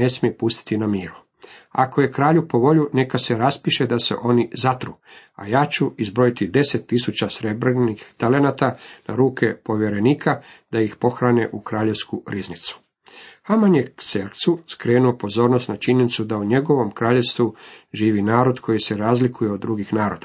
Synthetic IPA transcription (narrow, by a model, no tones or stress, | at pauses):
e̞smiepust̪i̥t̪inamiːɾu | a̰ko̞je̞kɾaːʎupo̞ʋo̞ʎune̞kase̞ɾaspiʃe̞d̪ase̞̰ʔo̞nizat̪ɾuː | a̰jaːt͡ɕuizbɾo̞it̪id̪e̞set̪ːisut͡ɕasɾe̞bɾenixt̪ale̞nat̪ana̰ɾuːkʰe̞po̞ʋjeɾe̞niːkʰad̪̥ajixpo̞xɾane̞ʔukɾaːʎe̞ʋskuɾiznit̪su̥ | hamanjekseɾkt̪suskɾe̞ːnuopo̞zo̞ːɾno̞st̪nat͡ʃiɲenit̪sud̪auɲe̞ɡo̞ʋo̞mkɾaːʎe̞ʋst̪ʋuʒiːʋinaːɾo̞d̪kʰo̞jise̞ɾaːzlikujeod̪̚ːɾuɡixnaːɾo̞d̪̥a